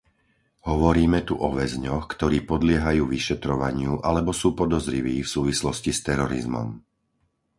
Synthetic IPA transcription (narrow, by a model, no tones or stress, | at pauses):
ɦɔʋɔɾiːmɛt̪uʔɔʋɛzɲɔxkt̪ɔɾiːpɔd̪lɪɛɦajuːʋiʃɛt̪ɾɔʋaɲɪuʔalɛbɔsuːpɔd̪ɔzɾiʋiːfsuːʋislɔscist̪ɛɾɔɾḭzmɔ̰m